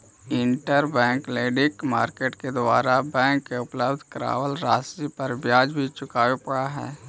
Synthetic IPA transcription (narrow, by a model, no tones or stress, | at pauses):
ɪɳʈəɾbɛ̃ːŋkleːɖɪkmaːɾkeːʈked̪aːɾabɛ̃ːŋkːeʊpləbd̪ʱkɾa̰ːʋəlɾaːsipəɾbjaːd͡ʒbʱit͡ʃʊkaːwepɐɽaɦɛ̰ː